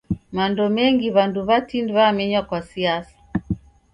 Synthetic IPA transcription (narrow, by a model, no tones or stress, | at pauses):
mandɔmɛŋɡiβanduβatindiβamɛɲwakwasiasḁ